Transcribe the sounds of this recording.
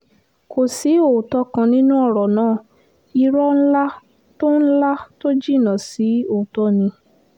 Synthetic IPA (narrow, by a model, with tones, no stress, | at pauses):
ko˨si˨˦o˦˨tɔ˧kã˧nĩ˦nũ˦ɔ˦˨ɾɔ˨nãː˦˨ | i˧ɾɔ˦n̩˦la˦ | to˦n̩˦la˦to˦d͡ʒi˦˨nã˨si˨˦o˨tɔ˦˨nĩ˧